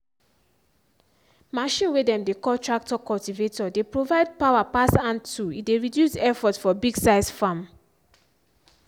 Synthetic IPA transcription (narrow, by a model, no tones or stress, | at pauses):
maʃĩnwedɛ̃mdekɔtɹak̚tɔkɔltivetɔdepɹovaɪd̚pawapasãntuitdeɹidjusɛfɔtsfɔbiɡsaɪsfãm